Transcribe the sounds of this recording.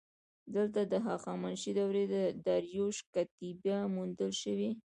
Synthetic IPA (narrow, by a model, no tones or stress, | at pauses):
d̪əlt̪̬ad̪əɦɑxɑmanʃid̪awɾed̪əd̪aɾjoʃkat̪ibjamund̪əlʃəwi